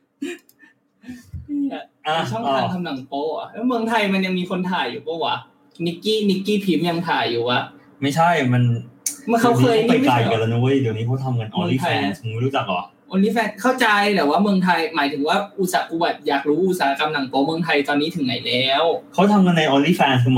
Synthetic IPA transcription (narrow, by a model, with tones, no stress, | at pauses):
niː˥˩ʔa˨˩ʔaː˧˩t͡ɕʰɔ˥˩ŋː˧aː˧˩nt̪ʰa˧mna˨˩˦ŋpɔː˧ʔa̰˨˩lɛː˦˥mɯ˧əŋt̪ʰa˧jma˧nja˧ŋmiː˧kʰo˧nt̪ʰaː˨˩juː˨˩pɔ˧˥˩wa˨˩˦ | ni˦˥kːiː˥˩ni˦˥kːiː˥˩pʰi˦˥mja˧ŋt̪ʰaː˨˩juː˨˩ʔa˨˩ | ma˥˩jt͡ɕʰa˥˩jma˧nm˧kʰa˦˥wkʰɤː˥˧ja˧˨˩kkaː˨˩jka˧˩la˧nu˧˥˦d̪i˨˩niː˦˥kʰa˦˥wt̪ʰa˧mka˧nʔɔː˧liː˥t̪ʰa˧ɛː˧n˨k̪ʰu˩ŋm˥˩jɾuː˦˥t͡ɕa˨˩k̚lɔ̰˨˩k̚ʔɔː˧nliː˥˩fɛː˧nkʰa˥˩wt͡ɕa˧jt̪ɛː˨˩waː˥˩mɯ˧əŋt̪ʰa˧jmaː˨˩˦jt̪ʰɯ˨˩˦ŋwaː˥˩ʔu˧˩saː˩˦˥ku˧wa˨˩t̪̚jaː˨˩k̚ɾuː˦˥ʔu˧t̪̚saː˩ha˦˥ka˧mna˨˩˦ŋt̪ɔː˧mɯ˧ŋt̪ʰa˧jt̪ɔː˧nːiː˦˥t̪ʰɯ˨˩˦na˩˦jlɛː˦˥wkʰa˦˥wt̪ʰa˧mŋa˧nːa˧jʔɔː˧nliː˥˩fɛː˧nkʰɯ˧